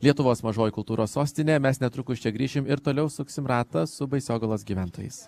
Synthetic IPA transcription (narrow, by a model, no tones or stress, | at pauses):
lʲiɛt̪ʊʋoːsmɐʒoːjkʊlˠt̪uːɾʔoːssoːsʲt̪ʲɪnʲeːmʲɛsnʲɛt̪ɾʊkʊʃʲt͡ʃʲɛɡɾʲiːʃʲɪmɪɾt̪oːlʲɛʊsʊksʲɪmɾɑːt̪ɐsʊbɐɪsʲoːɡɐlˠoːsɡʲiːʋʲænt̪oːjɛ̰ɪs